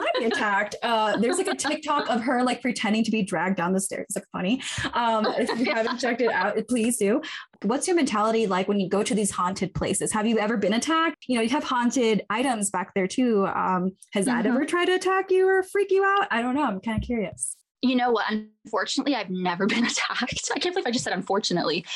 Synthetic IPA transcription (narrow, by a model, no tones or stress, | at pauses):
aɪbiɨtʰæk̚tʌðə˞zlaɪkɨtʰɪk̚tʰɔkʌv̥ə˞laɪk̚pʰɹ̥itʰɛ̃ndɪ̃ŋtʰɨbidɹæɡ̚dãʊ̃nðəstɛ̰ɹzɨfʌ̰̃niʔʌ̃mɪɨavɨt͡ʃʰɛk̚tɨɾa̰ʊtɨpʰl̥izdʉwʌtsjə˞mɛ̃ntʰælˠəɾilaɪkwɨ̃njɨɡoʊɾɨðiz̥hɑ̃ntʰɨd̚pʰl̥eɪsɨz̥hɨvjɨɛvə˞bɨ̃ñɨtʰæk̚t̚jɨnoʊjɨːv̥hɑ̃ntɪɾaɪɾɨ̃mzbæk̚ðə˞tʰʉʌ̰̃mhɨzðɨ̰ɾɛvə˞tʰɹ̥aɪd̚tɨːtʰækjʉə˞fɹikjɨaʊt̚aɪɾõʊ̃nːoʊãɪ̃mkãɪ̃ndɨkʰjʊɹiɨs | jɨnoʊwʌɾə̃nfɔɹt͡ʃɨnəʔˡliaɪvnɛvə˞bɨ̃nɨtʰæk̚taɪkʰæ̃nfəlifaɪd͡ʒʌsɛɾə̃ɱfɔɹt͡ʃɨnə̰ʔˡli